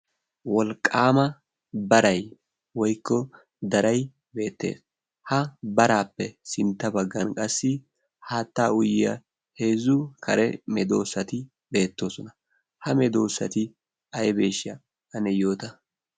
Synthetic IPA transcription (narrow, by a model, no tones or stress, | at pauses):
wɔlkʼːaːmɐ | bɐɾɐj | wɔjkːɔ | d̪ɐɾɐj | be̞ːt̪ːḛːs | hɐbɐɾaːpːɛsɪnt̪ːɐbɐɡːɐnkʼɐsːɪ | haːt̪ːaːʊjɪjɐ̰ | he̞ːzːʊkʰɐɾɛmɛd̪o̞ːsːɐt̪ɪ | be̞ːt̪ːo̞ːsɔnɐ | hɐmɛd̪o̞ːsːɐ̰t̪ɪ | ɐjɛbe̞ːʃɪɐ | ɐnɛjo̞ːt̪ɐ